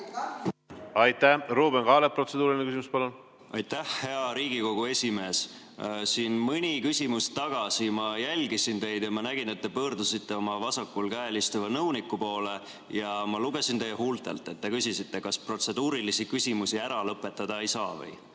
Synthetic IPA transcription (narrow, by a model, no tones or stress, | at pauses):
ɑjt̪ːˑæhruːbenkɑːlepːro̞t̪sed̪uːɾilinekys̬imuspɑlun | ʔɑjt̪ːæhːe̞ɑɾiːɡ̥iko̞ɡ̥ue̞sʲime̞ːs | siːnmɯnʲikysʲimust̪ːɑɡ̥ɑsimɑjælʲɡisint̪e̞jd̪̥jɑmɑnæɡ̥ine̞t̪̚ːe̞pɤːrd̪usit̪ːe̞o̞mɑvɑsɑkːulkæelist̪uvɑnɤwnikːˑupo̞ːle̞ | jɑmɑluɡ̥e̞sint̪e̞jːɦult̪ˑe̞̰lt̪ːˑet̪̚ːe̞kysisit̪ːe̞kɑspro̞t̪se̞d̪̥uːɾilisikysʲimusiæɾɑlɤpːˑe̞t̪ːɑd̪̥ɑejsɑːvɤ̰j